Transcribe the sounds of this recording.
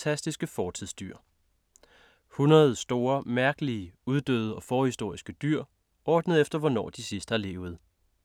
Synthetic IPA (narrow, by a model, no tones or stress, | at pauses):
æsd̥isɡ̥əfɒːt͡sʰiðˠsd̥yɐ̰ | hunʁɐð̞̩ˠsd̥o̝ːɐmæɐɡ̥əliəuð̞ˠd̥ø̰ːð̞ˠɒ̽fɒːhisd̥o̝ɐ̰isɡ̥əd̥yɐ̰ | ʔɒːd̥nəð̞̩ˠefd̥ɐʋɒnɒ̰ːd̥isisd̥hɑ̈le̝ːʊð̩ˠ